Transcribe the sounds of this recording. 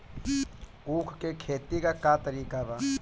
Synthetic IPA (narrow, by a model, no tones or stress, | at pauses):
uːkʰkekʰeːt̪ikakat̪əɾiːkabaː